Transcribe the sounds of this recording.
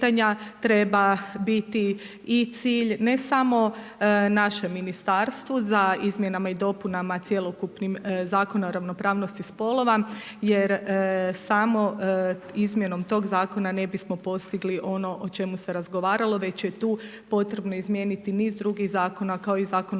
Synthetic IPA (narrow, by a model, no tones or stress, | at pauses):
aɲat̪ɾe̞babit̪i | it̪siːʎne̞samo̞ | naʃemːinist̪aɾst̪ʋuzaizmʲje̞namaid̪o̞punamat̪sje̞lˠokupnimzaːko̞naoɾaʋno̞pɾaːʋno̞st̪ispo̞lˠo̞ʋa | je̞ɾsamo̞ | izmje̞no̞mt̪o̞ːɡzaːko̞nane̞bismo̞po̞st̪iɡliʔo̞no̞ʔot͡ʃe̞muse̞ɾazɡo̞ʋaːɾalˠo̞ʋe̞t͡ɕje̞t̪uː | po̞t̪ɾe̞bno̞izmje̞nit̪iniːzd̪ɾuɡiɣzaːko̞nakao̞izaːkon